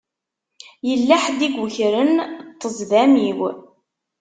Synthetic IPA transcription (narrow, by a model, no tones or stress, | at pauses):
jəlːaħd̪iɡʷʊçɾənt̪ˤːəzˤðæmiw